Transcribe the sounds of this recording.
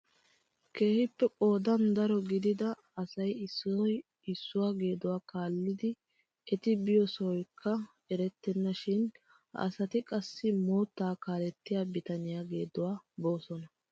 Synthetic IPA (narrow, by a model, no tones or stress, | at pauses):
ke̞ːhɪpːɛpʼo̞ːd̪ɐnd̪ɐɾɔɡɪd̪ɪd̪ɐ | ɐsɐjɪsːʊɔj | ɪsːʊwaːɡe̞ːd̪ʊwaːkaːlːɪd̪ɪ | ʔɛt̪ɪbɪjɔsɔɔjkʰːɐ | ɛɾɛt̪ːɛnːɐʃɪn | ɐ̰sɐt̪ɪkʼɐsːɪmoːt̪ːaːkaːlɛt̪ːɪjaːbɪt̪ɐnɪjaːɡe̞ːd̪ʊwaːbo̞ːsɔnɐ